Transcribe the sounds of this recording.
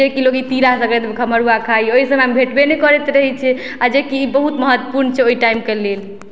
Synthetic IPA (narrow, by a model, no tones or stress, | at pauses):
ekilokit̪iɾasəɡet̪ekʰəməɾuakʰaioisəmambʱeʈbenekɔɾɛt̪ɾəɦɛt͡ʃʰɛ | ad͡ʒekiːbəɦut̪məɦət̪ːəpuɾnt͡ʃʰɛoiʈaimkelel